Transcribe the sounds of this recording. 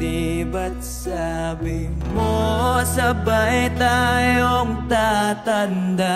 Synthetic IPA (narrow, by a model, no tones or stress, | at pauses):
ibat̪̚sabɪmosəbajt̪ajɔŋt̪at̪and̪a